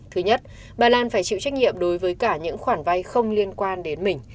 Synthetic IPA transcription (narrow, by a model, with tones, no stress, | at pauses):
t̪ʰɨ˨˦ɲə˦˥t̚ | ɓaː˨˩laː˧nfaː˧˩jt͡ɕḭ˧˨wt͡ɕa˦˥k̟̚ɲi˧˨əmɗo˨˦jvəː˨˦jkaː˧˩ɲɨ̰˧˥ŋxwaː˧˩nva˧jxə˧wŋ͡mli˧ənkwaː˧nɗe˨˦nmï˨˩ŋ̟